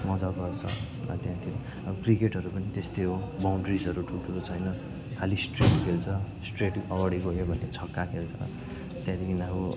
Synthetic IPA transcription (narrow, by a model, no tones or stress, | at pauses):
mʌd͡zaɡʌrt͡sʰʌ̰ | rʌ̰t̪jãt̪ʰiɾ | ʌʌkrikeʈɦʌɾupʌnit̪est̪eɦobawɳɖrisʌɾuʈʰulʈʰulot͡sʰʌjnʌ | kʰalisʈreʈkʰelt͡sʰʌsʈreʈʌɡʌɽiɡʌjobʱʌnet͡sʰʌkːakʰelt͡sʰʌ̰ | t̪jãd̪ikinako